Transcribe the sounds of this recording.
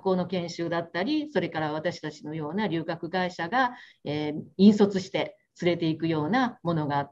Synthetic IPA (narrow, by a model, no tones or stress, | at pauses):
ko̞ːno̞kẽ̞ɰ̃ɕɨːd̪at̪ːaɾʲiso̞ɾe̞kaɾaβ̞at̪aɕi̥t̪at͡ɕino̞jo̞ːnaɾʲɨ̟ːkakɯ̟ɡaiɕaɡaeːĩɰ̃so̞t͡sɨɕi̥t̪e̞ | t͡sɨɾe̞t̪e̞ikɯ̟jo̞ːnamo̞no̞ɡaːt̪ː